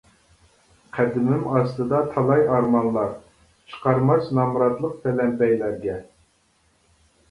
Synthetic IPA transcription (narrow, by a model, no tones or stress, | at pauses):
qʰæd̪ɪmɪmɑst̪ɨd̪ɑt̪ʰɑlˠɑjɑɾmɑnlˠɑɾ | t͡ʃʰə̥qʰɑɾmɑt͡ʃnɑmɾɑt̪lˠəq̚t̪ʰɛlɛmpɛjlæɾɡʲɛ